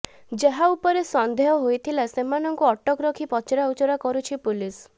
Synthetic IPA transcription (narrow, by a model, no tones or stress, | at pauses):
d͡ʒeɦaupɔɾesɔnd̪ʱeɦɔɦojt̪ʰilasemanɔŋkuɔʈɔkɾɔkʰipɔt͡ʃɾaut͡ʃɔɾakɔɾut͡ʃʰipulis